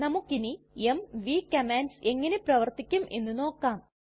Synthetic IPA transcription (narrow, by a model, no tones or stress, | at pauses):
nɐmukːini | emʋiːkːɐmaːnse̞ŋːɐne̞prɐʋɐrt̪ikʲːumʔe̞̰nːuno̞ːkːaːm